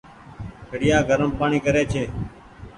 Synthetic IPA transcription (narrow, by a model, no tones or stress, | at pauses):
kʰəɽɪjaːɡʱəɾəmpaːɳiːkəɾeːt͡ʃʰeː